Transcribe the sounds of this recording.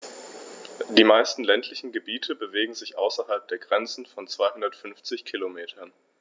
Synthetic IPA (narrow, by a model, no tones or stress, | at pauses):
d̥iːmaɪstn̩lɛntʰlɪçn̩ɡəbiːtʰəbəveːɡŋ̩zɪçʔaʊsɐɦalp̚d̥eːɐɡʁɛnt͡sn̩fɔnt͡sv̥aɪhʊndɐtfʏnft͡sɪçkʰilomeːtʰɐn